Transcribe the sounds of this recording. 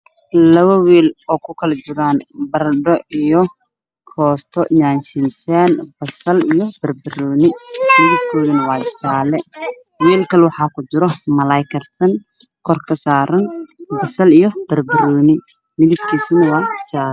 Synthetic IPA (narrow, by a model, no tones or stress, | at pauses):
lɐβɐwiːlɔːkʰʊkʰɐlɐd͡ʒɪɾaːnbɐrɖɔijɔ | kʰɔːst̪ʰɔɲaːnt͡ʃɪmsɛːnb̥ɐsɐlijɔb̥ɐrbɐɾɔːnɪmɪðɪb̚kʰɔːðɐnɐwɑːt͡ʃaːlɛ | wiːlkʰɐlwɑħɑːkʰʊd͡ʒɪɾɔmɐlɐjkʰɐrsɐn | kʰɔrkʰɐsaːɾɐnbɐsɐlijɔb̥ɐrbɪɾɔːnɪ | mɪðɪbkʰiːsɐnɐwɑːt͡ʃaːl